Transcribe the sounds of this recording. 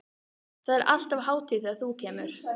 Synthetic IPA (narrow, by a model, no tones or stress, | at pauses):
θaðɛɾʔa̰l̥t̪avɦaːwt̪ɪðaðθucʰɛːmʏɾ̥